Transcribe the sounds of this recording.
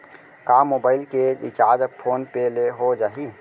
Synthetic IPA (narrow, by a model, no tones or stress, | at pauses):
kaːmoːbaːɪlkeɪt͡ʃaːd͡ʒpʰoːnpeleɦod͡ʒaːɦiː